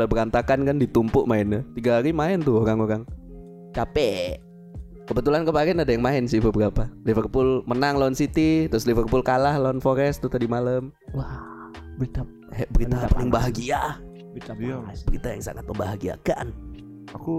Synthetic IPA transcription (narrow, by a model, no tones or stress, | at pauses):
labəɾant̪akankandit̪umpʊʔmaɪnət̪iɡaɦaɾimaɪnt̪ʊhoɾaŋoɾaŋ | t͡ʃapɛ | kəbət̪ulankəbaɾianadajaŋmaɪnsɪhbəbəɾapalivərpʊlmənaŋlansit̪it̪ɾʊslivərpʊlkalahlanfoɾɛst̪ʊht̪adimaləm | wa | t̪ | hɛʔbəɾit̪apəlɪŋbaɦaɡia | bəɾit̪ajaŋsa̰ŋa̰t̪̚məmbaɦaɡia̰ka̰n | aku